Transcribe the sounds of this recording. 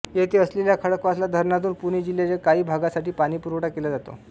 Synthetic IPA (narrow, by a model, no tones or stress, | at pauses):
jet̪eəsleljakʰəɽəkʋaslad̪ʱəɾɳat̪̬uːnpunid͡ʑiljat͡ɕekaiːbʱaɡasaʈiːpaɽ̃iːpuɾʋʈakelad͡zat̪o̰